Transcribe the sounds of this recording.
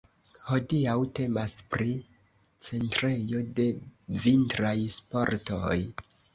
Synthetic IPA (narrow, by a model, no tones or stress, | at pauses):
ho̞diawte̞maspɾi | t͡se̞ntɾe̞jo̞de̞vintɾajspo̞ɾto̞j